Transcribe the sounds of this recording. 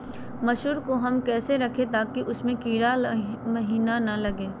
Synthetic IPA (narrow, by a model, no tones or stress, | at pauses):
mɐʃuːɾkoɦɐmkɛːseɾɐkʰet̪aːkiʔʊsmẽkiːɾamɐɦiːnanɐlɐɡeː